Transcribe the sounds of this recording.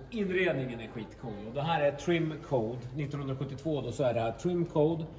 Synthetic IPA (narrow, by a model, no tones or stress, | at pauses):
ɪnɾeːd̪nɪŋənæɾɧiːt̪kʰuːlɔd̪ɛɦæːɾæt̪ʰɾɪmkʰoːd̪nɪt̪ːɔnhɵnɾaɧɵt̪ːɪt̪voːd̪ɔsɔæɖɛt̪ʰɾɪmkʰod̪